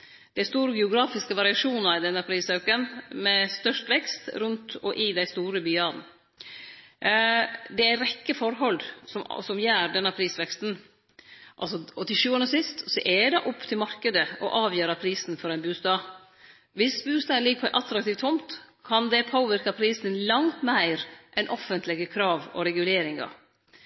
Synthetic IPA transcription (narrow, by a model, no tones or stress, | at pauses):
d̪̥æst̪uːɾəɡɛʊɡɾɑːfɪskəʋɑɾɪɑʂuːnɑɾɪd̪ɛnːəpʰɾiːsɑʉkənmɛst̪œʂʈʋɛkst̪ɾʉnt̪ɔ̰ʔɪd̪æɪst̪uːɾəbyːɑːd̪n̩ | d̪ɛæɾɛkːəfɔɾɦɔlsɔmsɔmjæːɾɖ̪ɛnɑpʰɾiːsʋɛkst̪n̩ | ʔɑ̰lsɔɔt̪ʰɪʃʉːɑnəsɪst̪sɔʔɛɖ̪ɛʔʊpːt̪ʰɪlmɑɾkəd̪əʔɔʔɑːʋjøːɾɑpʰɾiːsn̩fɔɾæɪnbʉːst̪ɑː | ʋɪsbʉːst̪ɑːlɪɡːəpʰɔʔɑt̪ɾɑk̚t̪iːft̪ʰːʊmt̪ | kʰɑnd̪ɛpʰoːʋɪɾkɑpʰɾiːsnlɑŋt̪mæɪɾʔɛnʔɔfənt̪lɪɡəkʰɾɑːʋɔ̰ɾɛɡʉleːɾɪŋɑ̰